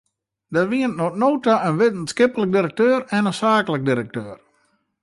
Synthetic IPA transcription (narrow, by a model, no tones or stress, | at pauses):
datʋiəntnotnoːtaənʋɪtn̩skɪpələk̚diɾək̚tøːɾɛnəsaːkələk̚diɾək̚tøːr